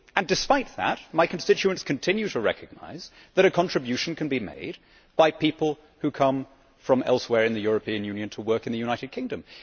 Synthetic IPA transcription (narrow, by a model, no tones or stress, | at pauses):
ɨ̃ndɨspaɪt̪̚ðə̰t̚maɪkʰɨ̃n̩stɪt͡ʃʉɨ̃nskʰɨ̃ntʰɪ̃njʉɾʰɨɹɛ̰kʰɨɡ̚na̰ɪz | ðɨɾɨkʰɑ̃nɹ̥ɨbjʉʃn̩kʰɨ̃n̩bimḛɪd̚ | baɪpipəl̩ˠ | hʉkʰʌ̃ɱ | fɹʌ̃mɛ̰lˠswɛɹɨ̃nðɨjʊɹɨpʰĩɨ̃njʉ̃njɨ̃ntʰəwɜ˞kɨ̃n̩ðɨjʉnaɪɾɨd̚kʰɪ̃ŋdɨ̃m